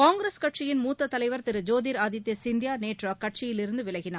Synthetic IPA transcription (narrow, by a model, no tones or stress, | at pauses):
kaːŋɡɾeːskɐʈ̚t͡ʃɪjɪnmuːt̪ːɐt̪ːɐlɐɪʋɐɾt̪ɪɾɯd͡ʒoːðiːɾaːðɪt̪ːɐsɪnd̪jaːneːʈrakːɐʈ̚t͡ʃɪjɪlɪɾɯnd̪ɯʋɪɭɐɣɪnaː